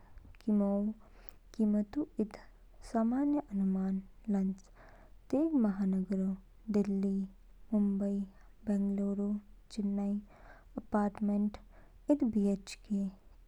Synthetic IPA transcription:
kimoːwkiːmət̪uɪd̪ | saːmaːnjəʔɐnumaːnlɐnt͡ʃ | t̪eːɡmɐɦaːnəɡɾo | d̪ɪlːi | mʊmbəi | bɛ̃ːŋɡloːɾot͡ʃɪnːai | ɐpaːɾʈmeɳʈ | ɪt̪ʰbiet͡ʃke

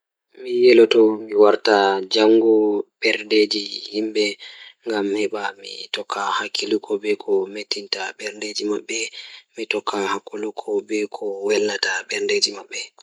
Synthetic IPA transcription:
mijɛlɔtɔmiwaɾtad͡ʒaŋɡɔɓ̥ɛɾded͡ʒihimbɛŋɡamhɛɓamḭtɔkʰːahakʰːilukʰɔbɛkʰɔmetːintaɓɛɾnded͡ʒimaɓːɛmitɔkʰːahakːulukʰɔbɛkʰɔwɛlːataɓɛɾnded͡ʒimaɓːɛ

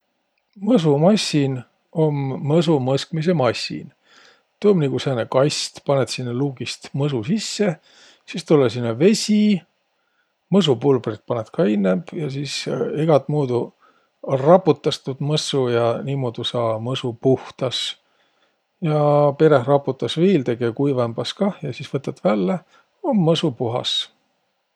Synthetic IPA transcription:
mɤs̬umɑsːin | o̞mːɤs̬umɤskmis̬emɑsʲːḭn | t̪oːmnʲikusæːnekɑjst̪pɑnet̪sinːeluːɡist̪mɤsusisːe̞ | sist̪ulːesinːɑve̞sʲi | mɤs̬upulbrit̪̚pɑnet̪kʰɑinːemb̥jɑsiːseɡ̥ɑt̪muːd̪u | rɑpːut̪ːˑɑst̪ud̪̥mɤsujɑniːmoːd̪usɑːmɤsupuht̪ɑs | jɑpe̞ɾehrɑpːut̪ːˑɑsviːlt̪e̞ɡ̥ekujvɑmbɑskɑjɑsiːsvɤt̪ːˑɑt̪vælːe | omːɤsupuɦɑ̰s

